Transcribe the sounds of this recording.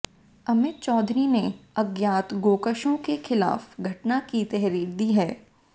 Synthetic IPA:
ɐmɪt̪̚t͡ʃɔːd̪ɾineɐɡjaːt̪ɡoːkəʃõkexɪla̰ːfɡʱɐʈnakit̪ɛɦɾiːɾd̪iːɦɛː

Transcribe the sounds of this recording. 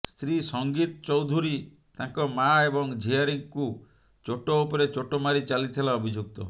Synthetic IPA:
st̪ɾisɔŋɡit̪ɔt͡ʃɔwd̪ʱuɾi | t̪ãŋkɔmaebɔŋd͡ʒʱiaɾiŋku | t͡ʃoʈoupɔɾet͡ʃoʈomaɾit͡ʃalit̪ʰilaɔbʱid͡ʒuk̚t̪ɔ

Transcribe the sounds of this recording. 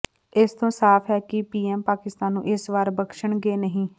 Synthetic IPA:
ɪst̪õːsaːpʰɦɛːkɪpiːɛːmpaːkɪst̪aːnːṵ̃ːʔɪsʋaːɾbəkʃəɳɡeːnəɦĩː

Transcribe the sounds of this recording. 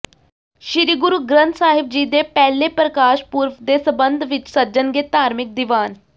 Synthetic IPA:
ʃɪɾiːɡʊɾuːɡɾənt̪saːɦɪb̚d͡ʒiːd̪eːpɛːleːpɾəkaːʃpuːɾʋd̪eːsəbənd̪ʱʋɪt͡ʃsəd͡ʒənɡeːt̪aːɾmɪk̚d̪ɪʋaːn

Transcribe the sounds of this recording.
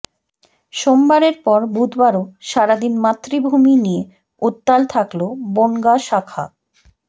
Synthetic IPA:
ʃombaɾeɾpɔɾbud̪ʱbaɾoʃaɾad̪inmat̪ːɾibʱuminije | ut̪ːalt̪ʰakloboŋɡaʃakʰa̰

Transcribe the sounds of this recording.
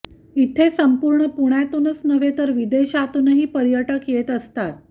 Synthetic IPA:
it̪ʰesəmpuɾɳəpuɳ̃jat̪unəsnəʋet̪əɾʋid̪eɕat̪unəɦiːpəɾjəʈəkjet̪əst̪at̪

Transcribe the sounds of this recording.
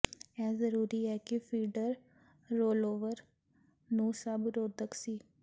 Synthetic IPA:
ɛːzəɾuːɾiɛːkifʰiːɖəɾː | oːloːʋəɾ | nũːsəbɾoːd̪əksiː

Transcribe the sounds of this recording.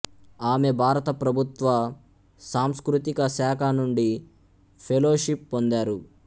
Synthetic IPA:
aːme̞bʱaːɾɐt̪ɐpɾɐbʱut̪ʋɐ | saːmskɾut̪ikɐsaːkʰɐnuɳɖi | pʰeloːʃipːond̪aːɾu

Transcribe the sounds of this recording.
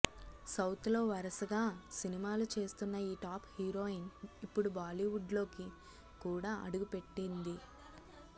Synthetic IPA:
sɐwt̪lo̞ːʋɐɾɐsɐɡaːsinimaːlut͡ʃe̞ːst̪unːɐiːʈaːphiɾo̞ːinipːuɽubaːliːʋuɖlo̞ːki | kuːɽaːʔɐ̰ɽuɡupe̞ʈːind̪i

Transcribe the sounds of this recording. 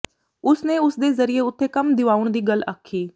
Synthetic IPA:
ʊsneːʊsd̪eːzəɾɪeːʊt̪ʰːeːkəmd̪ɪʋaːʊɳd̪iːɡəla̰ːkʰːiː

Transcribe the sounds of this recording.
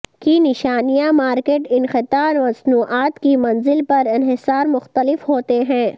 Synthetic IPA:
kinɪʃaːnijamaːɾkeːʈɪnxɪt̪aːɾmɐsnuːʔaːt̪kimɐnzɪlpɐɾɪnɦɪsaːɾmʊxt̪əlɪfɦoːt̪eɦɛ̃ː

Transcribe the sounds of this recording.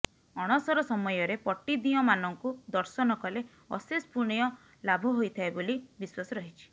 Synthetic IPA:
ɔɽ̃ɔsɔɾɔsɔmɔjɔɾepɔʈːid̪iɔmanɔŋkud̪ɔɾsɔnɔkɔle | ɔ̰sespuɽ̃ijɔ | labʱɔɦojt̪ʰaebolibiswasɔɾɔɦit͡ʃʰi̥

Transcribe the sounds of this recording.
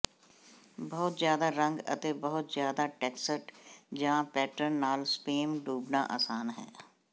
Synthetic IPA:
bɔːt̪zjaːd̪aːɾə̃ŋɡə̰t̪eːbəɦʊt̪zjaːd̪aːʈɛːksəʈd͡ʒãːpɛːʈəɾnnaːlspeːmɖuːbna̰ːʔa̰ːsaːnɦɛ̰ː

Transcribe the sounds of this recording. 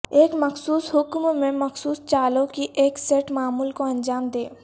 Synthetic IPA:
eːkmɐxsuːsɦʊkmmẽmɐxsuːst͡ʃaːlõkiʔeːkseːʈmaːmuːlkoɐ̃nd͡ʒaːmd̪ḛː

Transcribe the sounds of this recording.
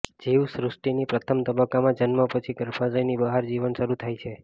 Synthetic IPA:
d͡ʒiʋsɾusʈinipɾət̪ʰəmt̪əbəkːamãd͡ʒənməpət͡ʃʰiɡəɾfʰad͡ʒəjnibəɦaɾd͡ʒiʋənʃəɾut̪ʰajt͡ʃʰe

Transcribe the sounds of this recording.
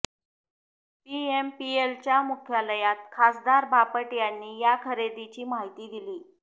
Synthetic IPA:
piempielt͡ɕjamukʰjaləjat̪̚kʰasd̪aɾbʱapəʈjanːiːjakʰəɾed̪it͡ɕiːmaɦit̪iːd̪iliː

